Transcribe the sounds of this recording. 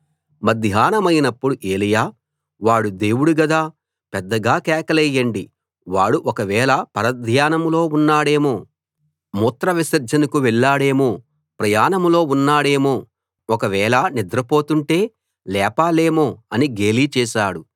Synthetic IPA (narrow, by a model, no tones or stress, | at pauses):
mɐd̪ʱjaːnɐmɐjnɐpːuɽuʔeːlijaː | ʋaːɽud̪e̞ːwuɽuɡɐd̪aː | pɛd̪ːɐɡaːkɛːkɐlɛjɐɳɖi | ʋaːɽuʔɔkɐʋɛːlɐpɐɾɐd̪ʱjaːnɐmlo̞ːunːaːɽe̞ːmoː | muːt̪ɾɐʋisɐɾd͡ʒɐnɐkuʋɛɭːaːɽe̞ːmoː | pɾɐjaːnɐmlo̞ːunːaːɽe̞ːmoː | ɔkɐʋɛːlɐnid̪ɾɐpo̞ːt̪uɳʈe̞ː | lɛːpaːle̞ːmoːɐniɡeːliːt͡ʃɛːʃaːɽu